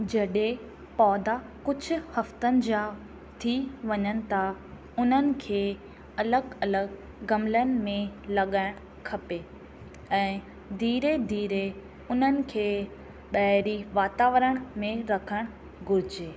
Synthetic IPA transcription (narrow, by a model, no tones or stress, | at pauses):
d͡ʑɐɗe | pɔːd̪a | kʊd͡ʑʱʊ̆hɐft̪ənɪ̆d͡ʑaː | t̪ʰiʋɐɲənɪ̆t̪ʰa | ʊn̤ənɪ̆kʰeː | ɐləɡɐləɡː | ɐmlənɪ̆mẽlɐɠaːɪ̃ɽ̃ʊ | kʰɐpe | ɛ̃ː | d̪ʱiːɾed̪ʱiːɾe | ʊn̤ənɪ̆kʰeː | ɓɐɦɪɾiʋaːt̪aːʋəɾəɽ̃mẽɾɐkʰəɽ̃ | ɡʊɾɪd͡ʑeː